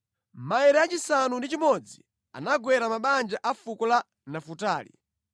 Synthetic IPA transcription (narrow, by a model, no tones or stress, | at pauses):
maɛɾɛat͡ʃisanundit͡ʃimɔd͡zḭ | a̰naɡwɛɾamaɓand͡ʒaʔafukɔla | nafutaːlḭ